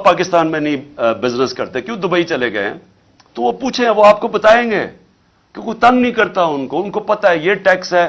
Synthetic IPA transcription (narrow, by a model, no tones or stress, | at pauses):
paːkɪst̪aːnmẽnɐĩbɪznəskɐɾt̪eɛ̃kjõːd̪ʊbait͡ʃɐleɡɐḛɦɛ̰̃ː | t̪oʋopuːt͡ʃʰẽɛ̃ʋoaːp̚kobɐt̪aːẽːŋɡḛː | kẽkoit̪ɐ̃nnĩkɐɾt̪aɦɛʊnkoʊnkopɐt̪aɦɛjeːʈɛːksɦɛː